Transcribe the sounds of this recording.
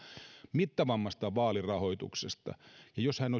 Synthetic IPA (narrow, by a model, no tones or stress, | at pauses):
mit̪ːɑʋɑmːɑst̪ɑʋɑːlirɑhoit̪ṵksest̪ɑ̰jɑjoshæno